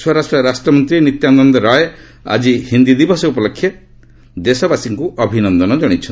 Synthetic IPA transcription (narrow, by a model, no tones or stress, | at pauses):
swɔɾasʈɾɔɾasʈɾɔmɔnt̪ɾinit̪jand̪ɔnd̪ɔɾaje | a̰d͡ʒihind̪id̪ibɔsɔupɔlɔkʰːje | d̪esɔbasiŋkuʔɔbʱinɔnd̪ɔnɔd͡ʒɔɽ̃it͡ʃʰɔn